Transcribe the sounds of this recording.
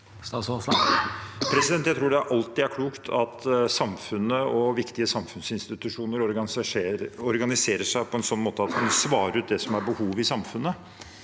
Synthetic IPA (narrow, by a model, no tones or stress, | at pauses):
sɑsɔ | pʰɾɛsɪd̪ɛnt̪jæɪt̪ʰɾuːɖɛæɾʔɑlt̪ɪæɾkʰluːkt̪ʰɑt̪sɑmfʉnəɔʋɪkt̪ɪəsɑmfʉnsɪnst̪ɪt̪ʉʂuːnəɾɔɾ | ɔɾɡɑnɪseːɾəʂæɪpʰɔɛnsɔnːmoːt̪əɑt̪kɑnsʋɑːɾəɾʉːt̪̚d̪ɛsɔmæɾbəhuːʋɪsɑmfʉnːə